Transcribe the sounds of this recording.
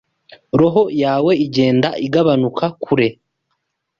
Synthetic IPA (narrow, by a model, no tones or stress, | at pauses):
ɾo̞ɦojaːwe̞iɟe̞ːndaʔiɡaβanukʰakʰuɾe̞